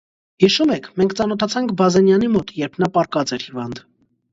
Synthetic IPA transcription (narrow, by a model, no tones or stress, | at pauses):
hiʃumɛkʰmɛŋkʰt͡sɑnɔt̪ʰɑt͡sʰɑŋkʰbɑzɛnjɑnimɔt̪jɛɾpʰnɑpɑɾkɑt͡sɛɾhivɑnd̪